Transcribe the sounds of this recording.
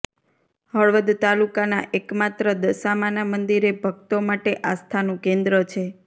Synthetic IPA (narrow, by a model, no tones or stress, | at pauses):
ɦəɭʋəd̪t̪alukana̰ʔekmat̪ɾəd̪əsamanamənd̪iɾebʱəɡt̪omaʈeʔast̪ʰanũkẽnd̪ɾət͡ʃʰe